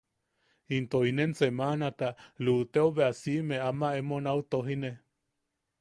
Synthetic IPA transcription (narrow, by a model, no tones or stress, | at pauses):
int̪oinensemanat̪alut̪eoβeasimeamaemonaut̪oɦine